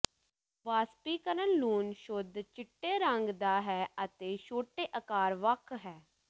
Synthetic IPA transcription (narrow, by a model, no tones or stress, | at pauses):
ʋaːspiːkəɾənluːnʃʊd̪t͡ʃɪʈːeːɾəŋɡd̪aːɦɛːət̪eːʃoːʈeːʔəkaːɾʋəkʰɦɛː